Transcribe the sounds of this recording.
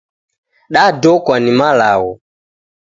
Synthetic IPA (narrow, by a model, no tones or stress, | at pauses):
ɗadɔkwanimala̰wɔ